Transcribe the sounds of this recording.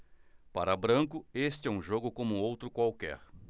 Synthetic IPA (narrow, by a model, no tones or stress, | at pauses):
paɾɐbɾɐ̃ŋkʊest͡ʃɪɛũʒoɡʊkõmʊowt̪ɾʊkwawkɛ̰ɾ